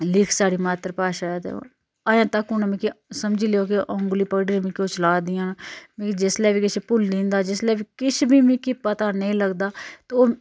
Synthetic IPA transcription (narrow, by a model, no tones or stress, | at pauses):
lɪkʰsaːɽiːmaːt̪ɾpaːʃaːɛd̪ḛo̰ | aːjãːt̪əkʊnẽmẽkisəmd͡ʒiːleoːkeʔɔ̃ːŋɡliːpəkɖiːɾmĩkioːt͡ʃəlaːd̪ijãːnm̃kd͡ʒɪslɛːbikɪt͡ʃʰpʊld̪ĩːnd̪aːd͡ʒɪslɛːbiːkɪt͡ʃʰbʱiːmĩkipət̪aːnəĩləɡd̪aːt̪ːoː